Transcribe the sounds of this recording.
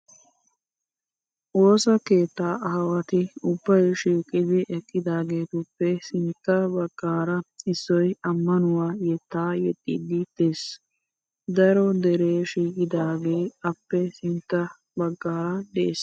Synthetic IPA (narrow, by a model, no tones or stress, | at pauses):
ʔoːsɐke̞ːt̪ːaːʔɐɦɐwɐt̪ɪʊbːɐjʃiːkʼɪd̪ɪʔɛkʼːɪd̪aːɡe̞ːt̪ʊpːɛsɪnt̪ːɐbɐɡ̥ːaːɾɐɪsːɔjɐmːɐnʊwaːjɛt̪ːaːjɛt̪ʼːiːd̪ɪd̪eːs | d̪ɐɾɔd̪ɛɾeːʃiːkʼɪd̪aːɡe̞ːɐpːɛsɪnt̪ːɐ | bɐɡːaːɾɐd̪ɛʔeːs